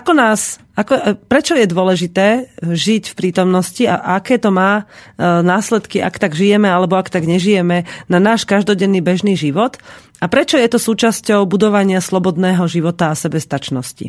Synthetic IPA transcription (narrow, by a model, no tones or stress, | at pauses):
akɔnaːs | akɔpɾɛt͡ʃɔjɛd̪ʊɔlɛʒit̪ɛːʒicfpɾiːt̪ɔmnɔscia̰akɛːt̪ɔmaːnaːslɛt̪kiʔakt̪aɡʒijɛmɛalɛbɔakt̪aɡɲɛʒijɛmɛnanaːʃkaʒd̪ɔɟɛnːiːbɛʒniːʒiʋɔt̪ | apɾɛt͡ʃɔjɛt̪ɔsuːt͡ʃascɔʊbud̪ɔʋaɲɪaslɔbɔd̪nɛːɦɔʒiʋɔt̪aasɛbɛst̪at͡ʃnɔscḭ